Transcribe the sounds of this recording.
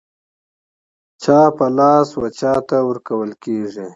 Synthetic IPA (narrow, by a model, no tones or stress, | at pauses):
t͡ʃaːpəlɑːswat͡ʃaːt̪awəɾkawəlkeːʐi